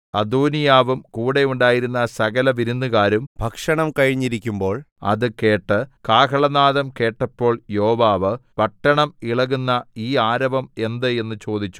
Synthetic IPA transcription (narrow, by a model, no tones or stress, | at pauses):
ɐd̪uːnijaːʋumkuːɽe̞uɳɖaːjiɾunːɐsɐɣɐlɐʋiɾunːuɣaːɾumbʱɐkʂɐɳɐmkɐɻiɲːiɾikʲːumbo̞ːɭ | ɐ̰ðɨke̞ːʈːɨkaːkɐɭɐnaːðɐmke̞ːʈːɐpːo̞ːɭjoːʋaːʋɨpɐʈːɐɳɐmiɭɐɣunːɐiːaːɾɐʋɐme̞nd̪ɨe̞nːɨt͡ɕo̞ːd̪ʱit͡ɕːu̥